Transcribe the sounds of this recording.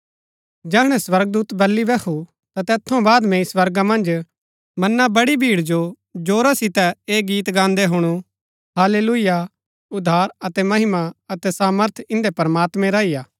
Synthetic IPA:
d͡ʒɛːɦɽ̃ɛ̃swɐɾɡ̚d̪uːt̪bɐlːibɛkʰu | t̪at̪ɛːt̪ʰõbaːd̪mɛ̃iswɐɾɡamɐ̃nd͡ʒ | mɐnːabɐɽibʱiːɽd͡ʒo | d͡ʒoːɾasɪt̪ɛeːɡiːt̪ɡãːnd̪eɦʊɽ̃u | ɦaːleːluɪja | ʊd̪ʱːaːɾɐt̪ɛmɐɦɪmaɐt̪ɛsaːməɾt̪ʰɪ̃nd̪epɐɾəmaːt̪mɛ̃ɾaːijaː

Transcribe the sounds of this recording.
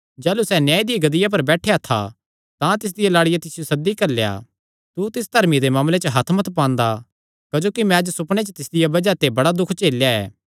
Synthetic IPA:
d͡ʒɛːlusɛnjaːid̪ɪɡɐd̪ɪjap̬ɐɾbɛːʈʰeat̪ʰa̰ | t̪ãt̪ɪs̬d̪ɪjalaːɽɪjat̪ɪsɪjosɐd̪ːikɐɾleja̰ | t̪ut̪ɪsd̪ʱɐɾmid̪emaːmlet͡ʃəɦɐt̪ʰmɐt̪ʰpãːnd̪a | kɐd͡ʒoːkimɛ̃ɐd͡ʒsʊpɽ̃et͡ʃət̪ɪsd̪ɪjabɐd͡ʒat̪ebɐɽad̪ʊkʰt͡ʃeːljaɛ̰ː

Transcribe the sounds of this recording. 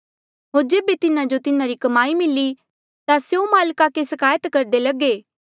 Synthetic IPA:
ɦoːɾd͡ʒeːbet̪ɪnãd͡ʒot̪ɪnãɾikɐmaːimɪlːi | t̪asjomaːlkakesɐkaːjət̪kɐɾd̪elɐɡeː

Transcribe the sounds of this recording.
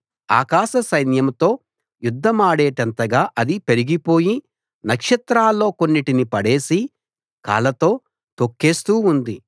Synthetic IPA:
a̰ːkaːʃɐsɐjnjɐmt̪o̞ː | jud̪ːɐmaːɽeːʈɐnt̪ɐɡaːʔɐd̪ipe̞ɾiɡipo̞ːji | nɐkʂɐt̪ɾaːlːo̞ːko̞nːiʈinipɐɽe̞ːsi | ka̰ːlɐt̪o̞ː | t̪o̞kːe̞ːst̪uːund̪i

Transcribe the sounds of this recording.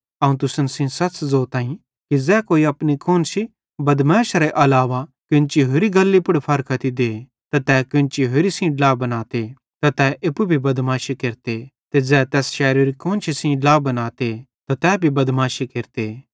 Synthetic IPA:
ɐũt̪ʊsənsĩsɐt͡ʃzoːt̪ãːĩ | kid͡zɛːkoːiɐpnikʰoːnt͡ʃi | bɐd̪maːʃaɾeʔɐlaːʋakɪ̃nt͡ʃiɦoːɾiɡɐlːipʊɽpʰɐɾkʰɐt̪id̪eː | t̪at̪ɛːkɪ̃nt͡ʃiɦoɾisĩɖlaːbɐnaːt̪e | t̪at̪ɛːʔɪpubʱibɐd̪mãːʃikeɾt̪et̪ed͡zɛːt̪ɛːsʃɛːɾiɾikoːnt͡ʃisĩɖlaːbɐnaːt̪e | t̪at̪ɛːbʱibɐd̪maːʃikeɾt̪eː

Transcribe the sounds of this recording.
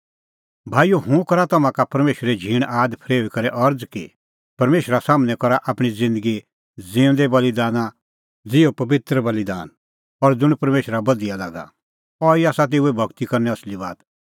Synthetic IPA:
bʱaːijoɦũkɐɾat̪ɐmãkapɐɾmeːʃəɾed͡ʒʱiːɽ̃aːd̪pʰɾeːʋikɐɾɛʔɐɾd͡zki | pɐɾmeːʃəɾasaːmnɛ̃kɔɾaʔaːpɽ̃id͡zɪ̃nd̪əɡi | d͡zɪ̃ːʊ̃d̪ɛbɐlid̪aːna | d͡zɪopɐʋɪt̪ɾəbɐlid̪a̰ːn | ɔɾd͡zʊɽ̃pɐɾmeːʃɾabɐd̪ijalaːɡa̰ | ɔiaːsat̪̬eːuebʱɐɡt̪ikɐɾnɛɐslibaːt̪

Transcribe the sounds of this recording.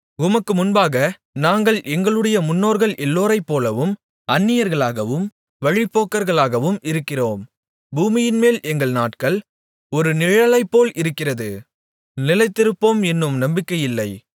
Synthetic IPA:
ʊmɐkːɯmʊnbaːɣɐ | naːŋɡɐɭʔɛŋɡɐɭɯɽɐjɐmʊnːoːɾɣɐɭʔɛlːoːɾɐɪpːoːlɐʋɯm | ʔɐnːɪjɐɾɣɐɭaːɣɐʋɯm | ʋɐɻɪpːoːkːɐɾɣɐɭaːɣɐʋɯmɪɾɯkːɪroːm | buːmɪjɪnmeːlʔɛŋɡɐɭnaːʈkɐɭ | ɔɾɯnɪɻɐlɐɪpːoːlʔɪɾɯkːɪrɐðɯ | nɪlɐɪt̪ːɪɾɯpːoːmɛnːɯmnɐmbɪkːɐjɪlːɐɪ

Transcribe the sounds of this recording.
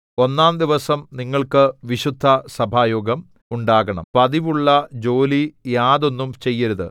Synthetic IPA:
o̞nːaːnd̪iʋɐsɐmniŋːɐɭkɨʋiɕud̪ʱːɐsɐbʱaːjoːɡɐm | uɳɖaːɣɐɳɐ̰mpɐðiʋuɭːɐd͡ʑo̞ːlijaːðo̞nːumt͡ɕe̞jːɐɾuðɨ

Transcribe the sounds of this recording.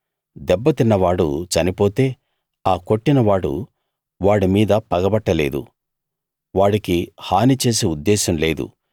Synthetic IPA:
d̪ɛbːɐt̪inːɐʋaːɽṵt͡ʃɐnipo̞ːt̪e̞ː | aːko̞ʈːinɐʋaːɽṵ | ʋaːɽimiːd̪ɐpɐɡɐbɐʈːɐle̞ːd̪ṵ | ʋaːɽikihaːnit͡ʃe̞ːseːud̪ːɛːsɐmle̞ːd̪ṵ

